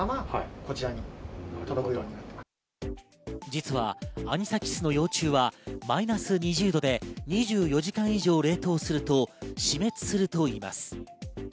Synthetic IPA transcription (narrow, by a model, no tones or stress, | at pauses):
amako̞t͡ɕiɾaɲit̪od̪okoiɾõɲːinat̪ːema | d͡ʑit͡sɨβa̰ːɲ̟isakʲi̥sɨno̞jo̞ːt͡ɕɨːβamainasɨɲ̟iʑɨːd̪o̞d̪e̞ɲ̟iʑɨːjo̞ʑikãɰ̃iʑo̞ːɾe̞ːt̪o̞ːsɨɾɯ̟t̪o̞ɕime̞t͡sɨ̥sɨɾɯ̟t̪o̞iːma̰sɨ̥